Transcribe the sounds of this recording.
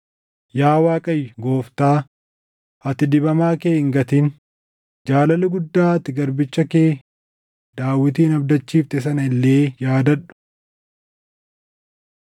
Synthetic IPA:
jaːwaːkʼɐjːʊɡo̞ːft̪aː | ɐt̪ɪd̪ɪbɐmaːkeːɪŋɡɐt̪iːn | d͡ʒaːlɐlɐɡʊd̪ːaːɐt̪ːɪɡɐɾbɪt͡ʃːɐkeː | d̪aːwːɪt̪iːnɐbd̪ɐt͡ʃːiːft̪ɛs̬ɐnɐɪlːe̞ːjaːd̪ɐᶑʊ̥

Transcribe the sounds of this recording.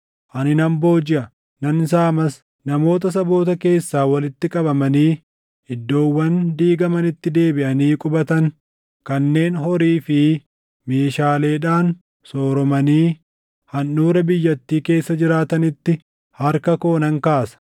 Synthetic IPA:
ʔɐnɪnɐmbo̞ːd͡ʒɪʔɐ | nɐnɪs̬aːmɐs | nɐmo̞ːt̪̬ɐs̬ɐbo̞ːt̪ɐke̞ːsːaːwɐlɪt̪ːɪkʼɐbɐmɐniː | ɪd̪ːo̞ːwːɐnd̪iːɡɐmɐnɪt̪ːɪd̪e̞ːbɪʔɐniːkʼʊbɐt̪ɐŋ | kɐnːe̞ːnɦɔɾiːfɪ | me̞ːʃaːle̞ːᶑaːn | so̞ːɾɔmɐniː | hɐnːuːɾɐbɪjːɐt̪ːiːke̞ːsːɐd͡ʒɪɾaːt̪ɐnɪt̪ːɪ | hɐɾkɐko̞ːnɐŋkaːsɐ̥

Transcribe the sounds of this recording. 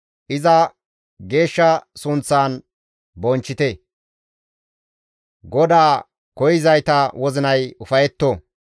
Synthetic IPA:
ʔɪzɐ | ɡe̞ːʃːɐsʊnt͡sːaːn | bɔnt͡ʃːɪt̪ɛ | ɡɔd̪aː | kɔjɪzɐjt̪ɐwɔzɪnɐjʊfɐjɛt̪ːo

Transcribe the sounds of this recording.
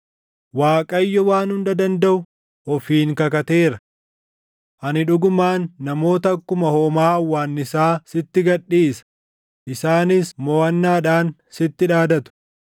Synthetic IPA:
waːkʼɐjːɔwaːnhʊnd̪ɐd̪ɐnd̪ɐʔʊ | ʔɔfiːŋkɐkɐt̪eːɾɐ | ʔɐnɪᶑʊɡʊmaːnːɐmo̞ːt̪ɐkːʊmɐhoːmaːɐwːaːnːɪsaːsɪt̪ːɪɡɐᶑːiːsɐ̥ | ʔɪsaːnɪsmɔːɐnːaːᶑaːnsɪt̪ːɪᶑaːd̪ɐt̪ʊ̥

